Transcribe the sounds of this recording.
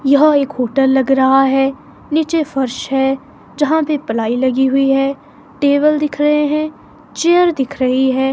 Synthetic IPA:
jɐɦeːkɦoːʈəlːɐɡɾɐɦaɦɛː | niːt͡ʃefʰɐɾʃɦɛː | d͡ʒɐɦãpepɐlaːilɐɡiɦʊiɦɛː | ʈeːʋəld̪ɪkʰɾɐɦeɦɛ̃ː | t͡ʃejəɾd̪ɪkʰɾɐɦiɦɛː

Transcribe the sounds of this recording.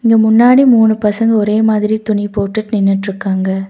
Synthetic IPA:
ɪŋɡɐmʊnːaːɽimuːnɯpɐsɐŋɡɐɔɾeːmaːðɪɾit̪ʊɳipoːʈːɯʈnɪnːɪʈːɾɯkːaːŋɡɐ

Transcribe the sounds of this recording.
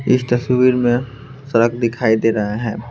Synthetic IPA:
ɪ̰st̪ɐsʋiːɾmẽ | sɐɾəkd̪ɪkʰaːid̪eːɾɐɦaɦɛ̃ː

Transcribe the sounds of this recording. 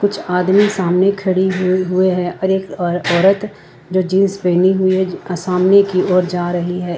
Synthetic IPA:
kʊt͡ʃʰaːd̪misaːmnekʰɐɽiɦɦʊeɦɛɔːɾeːkːɔːɾət̪ | d͡ʒoːd͡ʒĩːspeːniɦʊiɦɛsaːmnekiɔːɾd͡ʒaːɾɐɦiɦɛː

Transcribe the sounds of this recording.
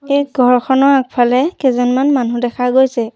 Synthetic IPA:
ejɡʱɔɹkʰɔnɔɹak̚pʰalɛkɛzɔnmanmanudɛkʰaɡojsɛ

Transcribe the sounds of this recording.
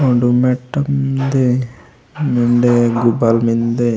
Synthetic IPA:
oɳɖumeʈːɐmd̪e | miɳɖeɡubalmind̪e

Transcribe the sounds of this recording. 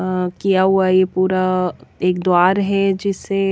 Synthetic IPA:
kijaɦuajepuːɾaeːkd̪oaːɾɦɛd͡ʒɪsːe

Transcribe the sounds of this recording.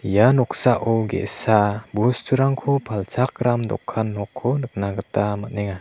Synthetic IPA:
ijanɔksaʔɔwɡɛ̰sabustʰuɾaŋkʰɔpʰalt͡ʃʰak̚ɾamdɔ̰kʰːanːɔkʰːɔnɯk̚naɡɯtamat̚nɛŋa

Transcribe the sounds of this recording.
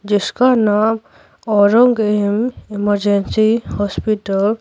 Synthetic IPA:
d͡ʒɪskanam | ɔɾɔŋɡemiməɾd͡ʒensihɔspiʈəl

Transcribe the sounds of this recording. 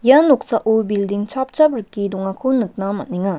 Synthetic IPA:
jɐnok̚saʔubildiŋt͡ʃʰap̚t͡ʃabɾɯkːiduŋakʰɯnɯk̚namɐniŋa

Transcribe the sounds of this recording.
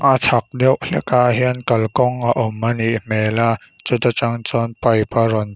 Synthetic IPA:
ʔat͡sʰɐk̚dɛwʔɬɛkaʔɦiənkɐlkɔŋʔaʔɔmːɐniʔmɛla | t͡sut̪at͡saŋt͡sɔnpɐjparɔn

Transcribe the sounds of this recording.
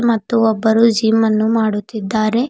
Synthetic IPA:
mɐt̪ːuɔbːɐɾud͡ʒiːmɐnːumaːɽut̪ːid̪ːaːɾe̞

